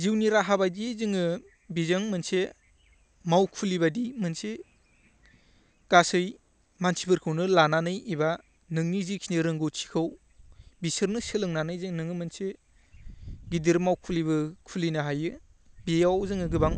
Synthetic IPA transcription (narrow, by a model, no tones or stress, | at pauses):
ziwniɾaɦabajdizɯŋɯ | bizaŋmɯnse | mawkʰulibadimɯnse | kasɯj | mansʰipʰɯɾkʰɯwnɯlananɯjiba | nɯŋnizikʰiniɾɯŋɡɯwtʰi̥kʰɯw | bisɯɾnɯsɯlɯŋnanɯjzɯŋnɯŋɯmɯnse | ɡidiɾmawkʰulibɯkʰulinaɦajɯ | bijawzɯŋɯɡɯbaŋ